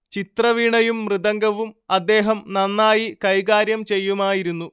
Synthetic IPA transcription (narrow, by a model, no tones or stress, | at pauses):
t͡ɕit̪rɐʋiɳɐjumːrɨðɐŋɡɐʋumɐd̪ːe̞ːɦɐmnɐnːaːjikɐjɣaːɾjɐmt͡ɕe̞jːumaːjiɾunːu